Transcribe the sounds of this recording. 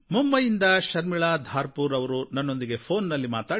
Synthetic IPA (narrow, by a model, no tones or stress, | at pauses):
mumbɐjind̪ɐʃɐɾmiɭaːd̪ʱaːɾpuːɾɐʋɐɾunɐnːo̞nd̪iɡe̞pʰo̞ːnːɐlːimaːt̪aː